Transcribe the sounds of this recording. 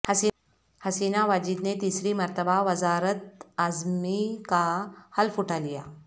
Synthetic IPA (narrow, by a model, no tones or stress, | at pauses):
həsi | həsinaʋad͡ʑiːd̪net̪isɾiːməɾt̪əbaʋəd͡zaɾət̪̚ad͡zmikahəlfuʈʰalija̰